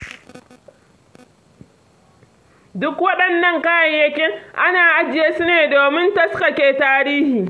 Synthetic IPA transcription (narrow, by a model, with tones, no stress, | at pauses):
dʊ˦kwɐ˦ɗɐ˨nːɐ˦ŋka˦jɐ˨ɲjɐ˦kʲe˦ʔa˦naː˨ʔa˦d͡ʒɪ˨jeː˦su˦neː˨doː˨mɪ˦ntɐ˦ska˨kʲeː˨taː˦ɾiː˦hiː˨